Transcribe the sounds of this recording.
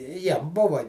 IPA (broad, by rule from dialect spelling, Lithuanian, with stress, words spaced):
ˈjiɛm ˈbʊʋɐ